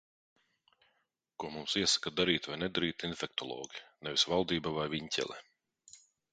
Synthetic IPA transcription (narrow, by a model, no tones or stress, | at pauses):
kuɔmumsiɛsḁkad̪aɾiːt̪vajnɛd̪aɾiːt̪infeɛk̚t̪ɔlˠɔ̰ːɡʲinɛvisvalˠd̪iːbavajviɲcʲɛ̰lʲˠɛ̰